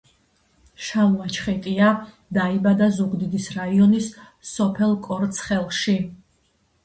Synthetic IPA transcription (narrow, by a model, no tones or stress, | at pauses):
ʃauat͡ʃʰχɛt̪ʼia | d̪aibad̪azuɡd̪id̪isɾaiɔnisː | ɔpʰɛlˠkʼɔɾt̪sʰχɛlˠʃi